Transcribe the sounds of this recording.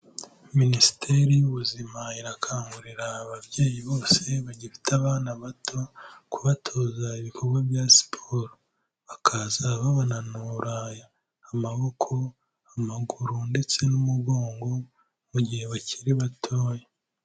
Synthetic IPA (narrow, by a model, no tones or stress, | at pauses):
minisi̥tʰe̞ɾijuβuzimaiɾakʰaːŋɡuɾiɾaːβabɟe̞ːjiβo̞ːse̞βaɟifi̥taβaːnaβatʰo̞kʰuβatʰo̞zaiβikʰo̞ɾɡwabjasi̥pʰoɾo | βakʰazaβaβananuɾaːjaː | maβo̞kʰo̞ | amaɡuɾunde̞t͡se̞numuɡo̞ːŋɡo̞ | muɟihe̞βaciɾiβatʰoːje